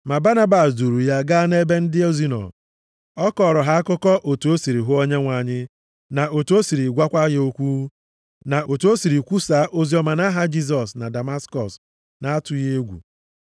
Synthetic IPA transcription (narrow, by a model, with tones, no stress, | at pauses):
ma˨ba˦na˦ba˨sdu˨ɾu˨ja˦ɡa˦ne˦be˦n̩˦dɪ˦o˦zi˦nɔ̰˨ | ɔ˦kɔ˨ɾɔ˨ɦa˦a˦kʊ˦kɔ˦ʔo˨tu˨o˦si˨ɾi˨ɦʊ˦o˦ɲe˦ŋʷa˨ɲɪ˦ | na˨o˨to˦si˨ɾi˨ɡʷa˦kʷa˦ɣɪ˦o˦kʷu˦ | na˨ʔo˨to˦si˨ɾi˨kʷu˦sa˨˦ʔo˦zi˦ɔ˦ma˨na˦ɦa˦d͡ʒi˦s̬ɔ˨sna˨da˨ma˦skɔ˨s | na˨a˦tʊ˨je˦ɡʷṵ˨